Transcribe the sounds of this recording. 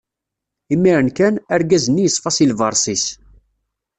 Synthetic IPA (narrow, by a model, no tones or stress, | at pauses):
imːiɾənkænæɾɡæzənːijəsˤfɑsilvɑɾˤsˤis